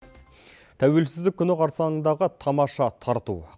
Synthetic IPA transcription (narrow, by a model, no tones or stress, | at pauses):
t̪ʰæwe̞lsɪzd̪ɪkʲʰːʏnɪqʰɑɾt̪sɑənd̪ɑʁət̪ʰɑmɑʃɑt̪ʰɑɾt̪ṵ